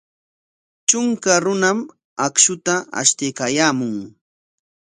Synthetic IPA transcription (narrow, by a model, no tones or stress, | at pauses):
t͡ʃʊŋkaɾʊnam | akʃʊt̪aa̰ʃt̪ɪkajaːmʊŋ